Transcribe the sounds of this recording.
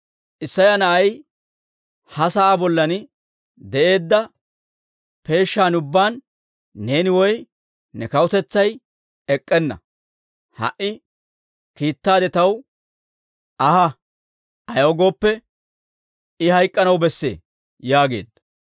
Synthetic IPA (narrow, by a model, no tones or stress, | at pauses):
ʔɪsːɐjanɐʔɐj | hɐsɐʔaːbɔlːɐnɪ | d̪ɛʔe̞ːd̪ːɐ | pe̞ːʃːaːnʊbːaːnː | e̞ːnɪwɔj | nɛkɐwʊt̪ɛt͡sːɐj | ɛkʼːɛnːɐ̰ | hɐ̰ʔɪ | kiːt̪ːaːd̪ɛt̪ɐw | ɐhɐ | ɐjɔɡo̞ːpːɛ | ɪhɐjkʼːɐnɐwbɛsːe̞̰ː | jaːɡe̞̰ːd̪ːɐ̥